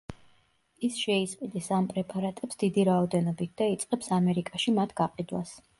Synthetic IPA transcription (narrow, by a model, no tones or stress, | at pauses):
isʃɛisqʼid̪ɛsampʼɾɛpʼaɾat̪ʼɛpsd̪̥id̪iɾaɔd̪ɛnɔbit̪̚ʰd̪̥ait̪sʼqʼɛpsamɛɾikʼaʃimat̪ʰɡ̥aqʼid̪was